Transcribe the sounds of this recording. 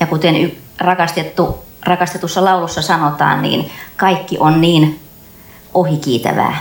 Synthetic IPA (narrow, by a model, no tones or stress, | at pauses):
jɑkut̪eny | rɑkɑst̪et̪ːurɑkɑst̪et̪usːɑlɑulusːɑsɑnot̪ɑ̰ːnnḭːnkɑikːiʔonniːn | ʔohikiːt̪æ̰ʋæ̰ː